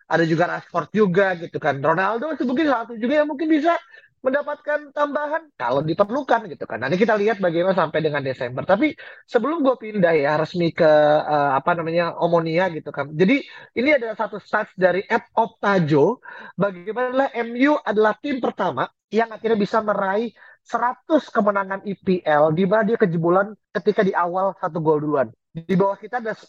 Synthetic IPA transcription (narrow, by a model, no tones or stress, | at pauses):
ʔa̰dad͡ʒuɡaɾasfɔrt̪̚d͡ʒuɡaɡit̪ukanronaldoisəmuŋkɪnsat̪ud͡ʒuɡajaŋmuŋkɪnbis̬a | məndapat̪̚kant̪ambaɦanka̰lowdipərlukanɡit̪uka̰nːant̪ik̬it̪aliɦat̪̚baɡijmanasampajdəŋandesɛmbərt̪ap̬isəbəlʊmɡuapindahjaɾəsmikəəːapanamaɲaomoniaɡit̪ukand͡ʒadiiniadalahsat̪ust̪asdaɾiʔɛt̚ɔp̚t̪ad͡ʒobaɡimanalahʔɛmjuʔadalaht̪ɪmpərt̪ama | jaŋart̪iɲabisaməɾai | səɾat̪ʊskəmənaŋanipiʔɛldimanadiakəd͡ʒəbulankət̪ikadiʔawalsat̪̬uɡolduan | dibawahkit̪aːdalas